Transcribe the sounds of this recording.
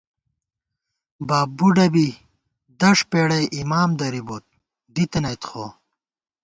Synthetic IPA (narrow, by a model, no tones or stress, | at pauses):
baːbbuɖɐbi | d̪ɐʂpeːɽɐjʔimaːmd̪ɐɾibot̪̚ | d̪it̪ɐnɐjt̪xoː